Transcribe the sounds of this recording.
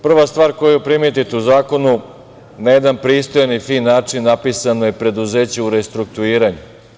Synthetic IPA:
pr̩ʋast̪ʋaːɾko̞jupɾimet̪̬it̪euzaːko̞nu | najed̪anpɾiːst̪ojanifinːaːt͡ʂinːapisanojepɾe̞d̪uzeːt͡ɕeuɾest̪ɾuk̚t̪uiːɾaɲu

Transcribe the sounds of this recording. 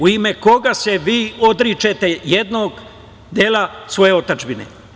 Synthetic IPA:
uimeko̞ɡaseʋiːod̪ɾit͡ʃet̪ejed̪noːɡ | d̪elasʋo̞jeot̪ad͡ʒbinḛ

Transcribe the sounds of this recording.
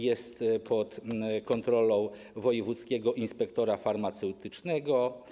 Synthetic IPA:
jɛst̪pɔt̪kɔnt̪ɾɔlɔ̃w̃ | vɔjɛvut̪skʲɛɡɔʔinspɛkt̪ɔɾafaɾmat̪sɛwt̪ɘt͡ʂnɛɡɔ

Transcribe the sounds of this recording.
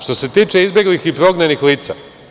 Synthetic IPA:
ʃt̪o̞se̞t̪iːt͡ʃe̞izbʲjeɡlixipɾo̞ɡnenixliːt̪sa̰

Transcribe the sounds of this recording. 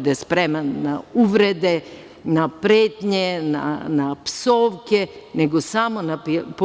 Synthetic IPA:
d̪ɛspɾɛmɛnːauvɾɛd̪ɛ | napɾet̪ɲɛna̰napsoʋkɛnɛɡosamonapp

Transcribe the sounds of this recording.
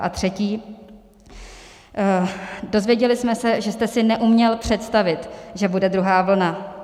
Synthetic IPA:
ʔa̰t̪r̥ɛciː | do̞zvjɛɟɛlɪsmɛsɛʒɛst̪ɛsɪnɛʔumɲɛlpr̝̥ɛt̪st̪avɪt̪ʒɛbudɛd̪ɾuɦaːvl̩na

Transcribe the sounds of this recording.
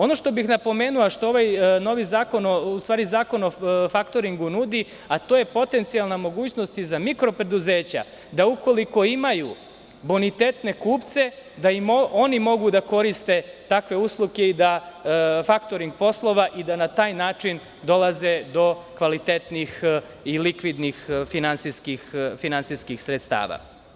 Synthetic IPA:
o̞no̞ʃt̪o̞bixnapo̞me̞ːnulˠaʃt̪ooʋajno̞ʋizaːko̞noust̪ʋaːɾizaːko̞nofakt̪o̞ɾiŋɡunud̪i | at̪oje̞po̞t̪e̞nt̪sialˠnamo̞ɡuːt͡ɕno̞st̪izamikɾo̞pɾe̞d̪uze̞ːt͡ɕa̰ | d̪auko̞liko̞imaju | bonit̪eːt̪ne̞kuːpt̪se̞d̪aimonimo̞ɡud̪ako̞ɾist̪e̞t̪akʋe̞uslˠukeid̪a | fakt̪o̞ɾiŋɡ̚po̞slˠo̞ʋaʔid̪anat̪aːjnaːt͡ʂin | d̪o̞lazed̪o̞kʋalit̪et̪nix | ilikʋid̪nixfinantsiskixfinantsiskixsɾet̪st̪a̰ːʋa̰

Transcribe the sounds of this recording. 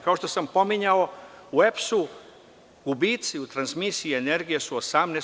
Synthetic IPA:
kao̞ʃt̪osampo̞miɲaouepsu | ɡ̥ubiːt̪siut̪ɾansmisiiene̞ɾɡijesuosamne

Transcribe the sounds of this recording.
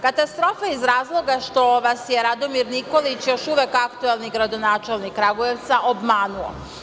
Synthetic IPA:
kat̪ast̪ɾo̞faizɾaːzlˠo̞ɡaʃt̪o̞ʋasjeɾad̪o̞miɾniko̞lit͡ɕjo̞ʃuʋekakt̪uelˠniɡɾad̪o̞naːt͡ʃelˠnikːɾaɡojeʋt̪saʔobmaːnuo̰

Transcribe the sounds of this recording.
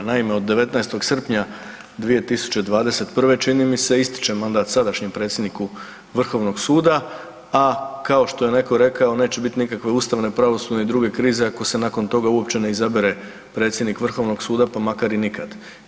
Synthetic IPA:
naime̞o̞d̪ːeʋe̞t̪najst̪o̞ɡsr̩pɲa | d̪ʋije̞t̪isu̥t͡ɕe̞d̪ʋaːd̪e̞se̞t̪pr̩ʋe̞t͡ʃinimise̞ist̪i̥t͡ʃe̞mand̪aːt̪sad̪aʃɲempɾe̞t̪sʲjd̪niku | ʋr̩xo̞ʋno̞ɡsuːd̪a | akao̞ʃt̪o̞jene̞ko̞ɾe̞kao̞ne̞ːt͡ɕe̞bit̪inikakʋe̞uːst̪aʋne̞pɾaʋo̞sud̪neid̪ɾuɡe̞kɾiːze̞ako̞se̞nako̞nt̪o̞ɡauo̞pt͡ɕe̞ne̞izabeɾe̞ | pɾe̞ːt̪sjed̪nikʋr̩xo̞ʋno̞ɡsuːd̪apamakaɾinikʰad̪

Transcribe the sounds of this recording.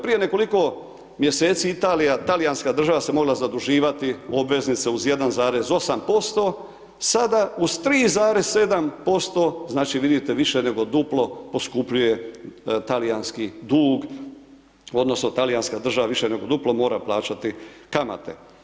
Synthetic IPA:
pɾije̞ne̞ko̞liko̞ | mje̞se̞ːt̪siit̪aːlijat̪alijanskad̪r̩ʒaʋase̞mo̞ɡlazad̪uʒiːʋat̪io̞bʋe̞znit̪seuzje̞d̪anzaːɾe̞zo̞sampo̞st̪o̞ | sad̪auz̥t̪ɾiːzaːɾe̞sse̞d̪ampo̞st̪o̞znaːt͡ʃiʋid̪it̪eʋiʃe̞ne̞ɡo̞d̪uplo̞po̞skupʎuje̞t̪alijanskid̪uːɡ | o̞d̪no̞snot̪alijanskad̪r̩ʒaʋaʋiʃene̞ɡo̞d̪uplˠo̞mo̞ːɾaplˠaːt͡ʃat̪ikama̰t̪e̞̰

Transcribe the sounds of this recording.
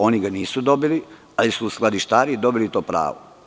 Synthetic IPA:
o̞niɡaniːsud̪obili | alisuːsklˠad̪iʃt̪aːɾid̪o̞bilit̪o̞ːpɾa̰ːʋo̰

